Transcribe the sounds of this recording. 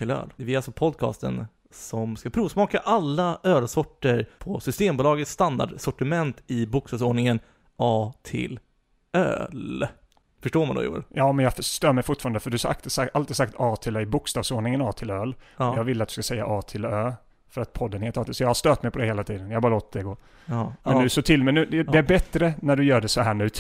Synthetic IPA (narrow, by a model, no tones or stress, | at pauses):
ɪlø̰ːlɛvɪɾalsɔpʰɔd̪kʰɑ̰ːst̪ə̰n | sɔmskapʰɾuːvsmɑːkaʔalːaøːlsɔʈːəɾpʰɔsʏst̪eːmbʊːlɑːɡət̪st̪and̪a̰ɖsɔʈɪmɛnt̪ɪbʊkst̪ɑːvsoːɳɪŋən | ʔɑːt̪ʰɪ̰l | ø̰ːl | fœʂʈoːɾmand̪ɔ̰jṵːjɑːmɛnjɑfœt̪øːmɛjfʊʈfɑːɾand̪əfœɖɵaaʔa̰kt̪saʔalt̪iːsak̚t̪ɑːt̪ʰɪlœːɪbʊkst̪ɑːvsoːɳɪŋənɑːt̪ʰɪløːljɑːɡvɪlːat̪̚d̪ɵ̥skasɛjːa̰ʔɑːt̪ʰɪløː | fœɾat̪̚pʰɔd̪ːənheːt̪ɑːt̪ɪsɔjɑːhaʂt̪øːt̪mɛjpɔd̪ɛheːlat̪ʰiːd̪ənjahabɑːɾaloːt̪̚d̪ɛɡoː | mɛnʉsɔt̪ʰɪlmɛnʉːd̪ɛd̪ɛæɾbɛt̪ːɾənæɖɵjœːɖɛsɔhæːɳʉ̟ː